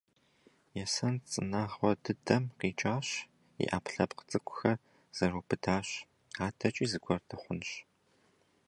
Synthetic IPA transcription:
jɛsɐnt͡sʼɨ̰naːʁwɔdɨdʰɐmqiːt͡ʃʼaːɕ | ḭʔa̰ːpʰɬɐpqə̥t͡sʼɨkʷʰʼʊ̥xɐ | z̥ɐruːpʰɨdʰaːɕ | aːtʰɐt͡ʃʼiːzɨɡʷɔrtʰɐχʷʊnɕ

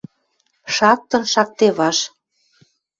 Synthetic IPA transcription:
ʃɑk̚t̪ɤ̆nʃɑk̚t̪eβɑʃ

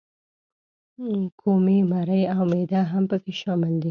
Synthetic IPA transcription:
kʰomimaɾəjawmed̪aɦampəkeʃɑmɪld̪i

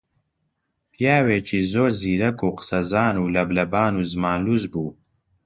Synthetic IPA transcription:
pʰijaːweːt͡ʃʰiːzoːɾziːɾɐkuːqə̥sɐzaːnuːlɐblɐbaːnuːzɨmaːnluːzbuː

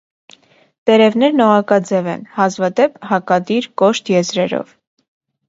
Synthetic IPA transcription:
t̪ɛɾɛvnɛɾnɔʁɑkɑd͡zɛvɛ̰nhɑzvɑd̪ɛphɑkɑd̪iɾkɔʃt̪ʰjɛzɾɛɾɔ̰v

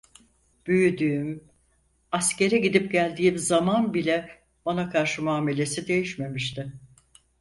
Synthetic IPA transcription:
b̥yjyd̪yːym | asce̞ɾɛɟid̪ipɟælʲd̪iːimzamanbilʲɛ | b̥anakʰaɾʃɯmuaːme̞lʲe̞sid̪e̞jiʃme̞miʃt̪ʰɪ

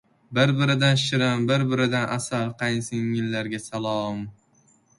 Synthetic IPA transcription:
bɪɾbɪɾɪd̪anʃɪɾambɪɾbɪɾɪd̪anʔasalˠqʰɑjnsɪŋːɪlːaɾɡʲasalˠɒm

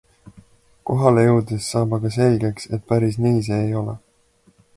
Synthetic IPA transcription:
ko̞ɦɑlejɤwd̪isːɑːbɑɡ̥ɑse̞lɡe̞kse̞t̪̚pæɾisniːs̬eːjo̞lḛ

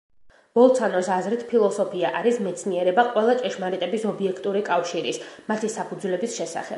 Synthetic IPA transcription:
bɔlˠt̪sʰanɔsazɾit̪ʰpʰilˠɔsɔpʰiaʔaɾismɛt̪sʰniɛɾɛbaqʼwɛlˠat͡ʃʼɛʃmaɾit̪ʼɛbisɔbiɛkʰt̪ʼuɾikʼafʃiɾismat̪ʰisapʰud̪zulɛbisʃɛsa̰χɛ̰b̥

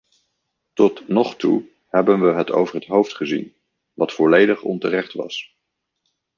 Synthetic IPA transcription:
tɔtnɔχtu | hɛbənʋəɦəto̰wvəɹɦətɦowftχəzḭn | ʋɑtfɔlejdəχɔ̰ntərɛχtʋɑ̰s

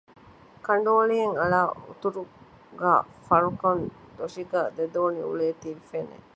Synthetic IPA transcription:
kɐɳɖoːlieŋɐlaːṵt̪uɾu | ɡa̰ː | fɐɾukɐn | d̪oʂiɡaːd̪ed̪oːnḭṵɭeːt̪iɾifenḛ

